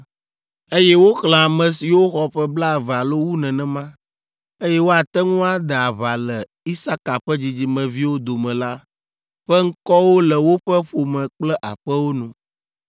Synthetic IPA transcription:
e˦jɛ˦wo˦xlã˨a˨mɛ̃˨si˨wo˦xɔ˦ɸɛ˦bla˦˨va˨lo˦wu˦nɛ̃˨nɛ̃˨mã˦ | e˦jɛ˦wo˦a˨t̪ɛ˦ŋũ˦a˨d̪ɛ˨a˨βa˨lɛ˨ | i˦sa˦ka˨ɸɛ˦d͡ʑi˨d͡ʑi˦mɛ̃˨vi˦wo˦d̪o˨mɛ̃˨la˦ | ɸɛ˦ŋ̩˦kɔ˦wo˦lɛ˨wo˦ɸɛ˦ɸo˨mɛ̃˨k͡plɛ˦ʔa˨ɸɛ˦wo˦nũ˨

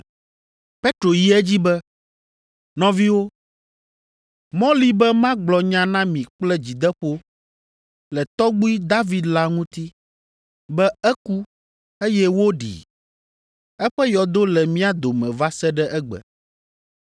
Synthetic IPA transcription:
pe˦t̪ɾo˨ji˦ɛ˦d͡ʑi˦bɛ˦ | nɔ̃˦vi˦wo˦ | mɔ̃˦li˦bɛ˦mã˦ɡ͡blɔ˨ɲã˦nã˦mĩ˨k͡plɛ˦d͡ʑi˨d̪ɛ˦ɸo˦ | lɛ˨t̪ɔ˦ɡ͡bu˦i˦d̪a˦vi˨d̪la˦ŋũ˦t̪i˦ | bɛ˦ɛ˦ku˦ | e˦jɛ˦wo˦ɖḭ˨ | ɛ˦ɸɛ˦jɔ˨d̪o˦lɛ˨mĩ˦a˦d̪o˨mɛ̃˨va˦sɛ˦ɖɛ˦ʔɛ˦ɡ͡bɛ̰˨

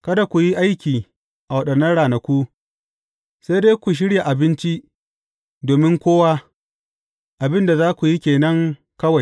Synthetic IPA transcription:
kɐ˦da˨kʷu˨ji˦ʔa˦jkʲiː˨ | ʔa˨wɐ˦ɗɐ˨nːɐ˦nɽaː˨nɐ˨kʷu˦ | sa˦jdeː˦kʷu˨ʃ̬ɪ˦ɽja˨ʔa˨bɪ˦nt͡ʃi˦ | doː˨mɪ˦ŋkʷoː˦wa˦ | ʔa˨bɪ˦nda˨zaː˦kʷu˨ji˦kʲeː˨nɐ˦ŋ | kɐ˦wa˨j

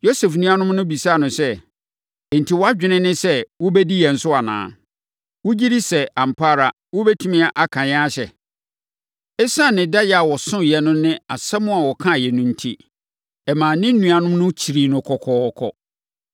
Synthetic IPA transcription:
jo˦sɛ˨fnũ˦a˦nʊ̃˦m˦nʊ̃˦bi˨sa˦˨nʊ̃˨sɛ˦˨ | n̩˨tʰi˨wɔ˦a˦d͡ʑᶣɪ˦nɪ̃˦nɪ̃˦sɛ˦wʊ˦bɛ˦di˦jɛ˨n̩˨˦sʊ˦a˨nã̰ː˨ | wʊ˦d͡ʑi˦ɾi˦sɛ˨ã˨m̩˨pʰaː˦ɾa˨ | wʊ˦bɛ˦tʰũ˦mĩ˦a˨ʔa˨kʰã˨ɲã˦a˦ɕɛ˨ | ɛ˦sã˦˨nɪ̃˨da˦jɛ˨a˨wɔ˨sʊ̃˦jɛ˨nʊ̃˦nɪ̃˦a˨sɛ˦mʊ̃˦a˨wɔ˨kʰã˦˨jɛ˨nʊ̃˦n̩˦tʰi˦ | ɛ˨mãː˨nɪ̃˦n̩˦nːũ˨a˨nʊ̃˦m˦nʊ̃˦t͡ɕʰi˨ɾi˨nʊ̃˨kʰɔ˨kʰɔː˦˨˦kʰɔ̰˦

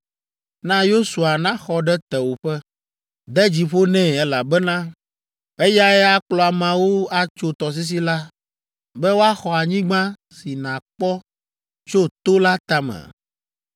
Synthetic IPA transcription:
nã˦jo˦su˨a˨nã˦xɔ˦ɖɛ˦t̪ɛ˨wo˨ɸɛ˦ | d̪ɛ˦d͡ʑi˨ɸo˦nɛ̃˦ɛ˦la˨bɛ˦nã˦ | ɛ˦ja˦ɛ˦a˦k͡plɔ˦a˨mã˨wo˦a˦t͡ʃo˨t̪ɔ˨s̬i˦s̬i˦la˦ | bɛ˦wo˦a˦xɔ˨a˨ɲĩ˦ɡ͡bã˦ | si˨nã˨k͡pɔ˦ | t͡ʃo˦t̪o˦la˦t̪a˦mɛ̰̃˨

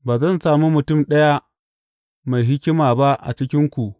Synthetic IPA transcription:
baː˨zɐ˦˨nsaː˨mu˦mʊ˨tʊ˦˨mɗɐ˦ja˦ | ma˨jɦɪ˦kʲɪ˦maː˨ba˦ʔa̰˨t͡ʃɪ˦kʲɪ˦ŋkʷu˨ʔ

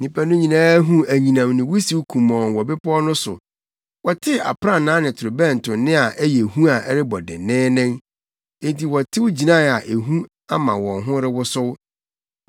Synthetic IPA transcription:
nĩ˦pʰa˦nʊ̃˦ɲĩ˨nãː˦ɦũ˦æ˨ɲĩ˨nã˨mnɪ̃˨wʊ˦si˦wu˦kʰũ˨mɔ̃ː˨n˨wɔ˨bɪ˦pʰɔ˦nʊ̃˦sʊ̰˨ | wɔ˨tʰɪ˦a̰˨pʰɾã˦nãː˨˦nɪ̃˨tʰʊ˨ɾʊ˨bɛ̃˦˨n̩˨tʰʊ̃˨nɪ̃˦a˨ʔɛ˦jɛ˨hũ˦a˨ʔɛ˦ɾɪ˦bɔ˨dɪ̰˨nɪ̃ː˦nɪ̃˦ | e˨nti˨wɔ˨tʰɪ˦wʊ˦d͡ʑi˨nã˦˨a˨ʔe˨ɦũ˦ | a˦mã˨wɔ̃˨ŋɦʊ̃˦ɾɪ˦wʊ˦sʊ˦w

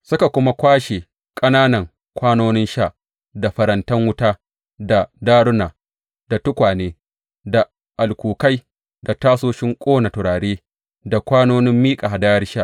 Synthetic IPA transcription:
sʊ˦ka˨kʷʊ˦ma˦kʷaː˦ʃe˨ | kʼɐ˦naː˦nɐ˨ŋ | kʷaː˦noː˦nɪ˦nʃa˦˨ʔ | da˨ɸɐ˨ɾɐ˨˦ntɐ˦ŋwʊ˦taː˦ | da˨daː˦ɽʊ˦naː˨ | d̥a˨tʊ˦kʷaː˨neː˦ | da˨ | ʔa˨lkʷuː˨ka˦j | da˨taː˦soː˦ʃɪ˦ŋkʷʼoː˦na˨tʊ˨ɾaː˨ɽeː˦ | da˨kʷaː˦noː˦nɪ˦mːiː˦kʼa˨ha˨daː˦jɐ˦rʃa˦ʔ

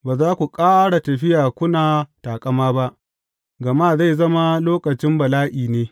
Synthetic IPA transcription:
baː˨zaː˦kʷu˨kʼaː˦ɽa˨tɐ˨ɸɪ˦jaː˨kʷʊ˦naː˨taː˨kʼɐ˨maː˦ba˦ʔ | ɡɐ˨ma˦˨za˦˨jzɐ˦ma˦loː˦kɐ˨t͡ʃɪ˦mbɐ˨laː˦ʔiː˨neː˦

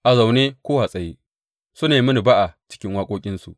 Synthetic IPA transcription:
ʔa˨za˨wneː˦kʷoː˦ha˨sʼɐ˨ji˦ | su˦neː˨mɐ˦ni˨ba˦ʔa˨t͡ʃɪ̥˦kʲɪ˦ŋwaː˦kʷʼoː˦kʲʼɪ˦nsu˨ʔ

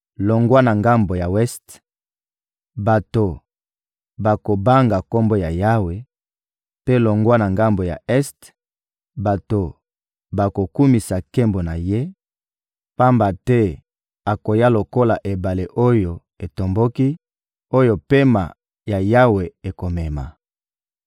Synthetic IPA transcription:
lo˨ŋɡwa˦na˨ŋɡa˦mbo˨ja˨wɛ˦st | ba˨to˨ | ba˨ko˨ba˦ŋɡa˨ko˦mbo˦ja˨ja˦we˨ | pe˦lo˨ŋɡwa˦na˨ŋɡa˦mbo˨ja̰˨ʔɛ˦st | ba˨to˨ | ba˨ko˨ku˦mi˨sa˨ke˦mbo˨na˨je˦ | pa˦mba˨tɛ˦ | a˨ko˨ja˦lo˨ko˦la˨ʔe˨ba˨le˨ʔo˦jo˨ | e˨to˨mbo˦ki˦ | o˦jo˨pe˦ma̰˨ | ja˨ja˦we˨e˨ko˨mɛ˨ma̰˨

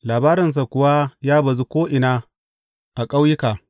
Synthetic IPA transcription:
laː˨baː˦ɾɪ˨ns̬a˨kʷʊ˨wa˦jaː˦bɐ˨zi˦kʷoː˦ʔɪ˨na˦ | ʔa˨kʼa˦wjɪ˦kaː˨

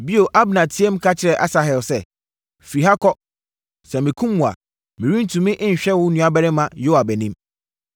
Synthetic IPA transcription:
bi˦o˨ʔa˦bnã˨tʰi˦ɛ˦mkʰa˦t͡ɕʰɪ˦ɾɛ˨ʔa̰˦sa˨ɦɛ˨lsɛ˦ | fɾi˨ɦa˦kʰɔ˦ | sɛ˨mɪ̃˨kʰũ˦mmũ˨a̰˨ | mɪ̃˨ɾĩ˦n̩˦tʰũ˨mɪ̃˦ʔɪ˦ɲ̩˨ɕᶣɛ˦wʊ̃˦nũ˦a˨bɛ˦ɾɪ˦mã˨jo˦a˨bæ˨nĩ˦m

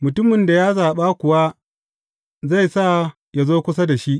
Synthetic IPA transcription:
mʊ˨tʊ˦mɪ˨nda˨jaː˦zaː˨ɓa˦kʷʊ˨wa˦ | za˦˨jsa˦˨ | ja˨zoː˦kʷʊ˦s̬a˦da˨ʃi˦ʔ

